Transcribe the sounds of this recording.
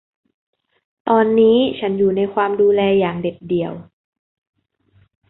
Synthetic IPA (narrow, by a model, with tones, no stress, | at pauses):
t̪ɔː˧nːiː˦˥t͡ɕʰa˦˥njuː˨˩na˧jkʰwaː˧mduː˧lɛː˧jaː˨˩ŋde˨˩p̚di˨˩əw